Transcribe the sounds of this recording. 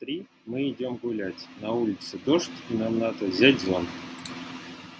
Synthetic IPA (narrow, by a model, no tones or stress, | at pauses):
t̪ɾʲi | mɨɪdʲomɡʊlʲætʲnɐulʲɪt̪sɨd̪oʂtʲinamnat̪əzʲætʲzon